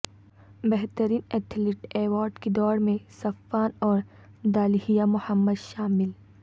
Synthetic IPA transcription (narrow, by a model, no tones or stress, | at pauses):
bɛɦt̪əɾiːnɛːt̪ʰlɪʈeːwaːɾɖkid̪ɔːɾmẽsɐfaːnɔːɾ | d̪aːlhijamʊhəmːəd̪ʃaːmɪl